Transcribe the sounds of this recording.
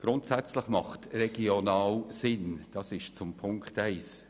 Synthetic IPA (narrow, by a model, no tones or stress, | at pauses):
ɡ̥ɾʊntsæt͡slɪχmɑχtrɛɡ̥ionɑːlsɪnd̥ɑsɪʃt͡sʊmpʰʊŋkχtɛɪs